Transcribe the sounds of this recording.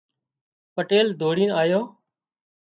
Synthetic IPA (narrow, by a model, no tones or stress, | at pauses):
pəʈeːld̪ʱoːɽĩːnaːjoː